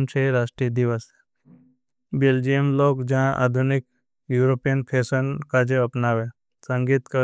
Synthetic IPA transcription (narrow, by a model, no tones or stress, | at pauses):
mt͡ʃʰeɾaːʃʈɾiəd̪iʋəs | beld͡ʒijəmloːɡd͡ʒɐɦãʔa̰ːd̪ʱʊnɪk | juːɾopijənpʰeːsənkad͡ʒeɐpnaːʋe | sə̃ŋɡiːt̪kə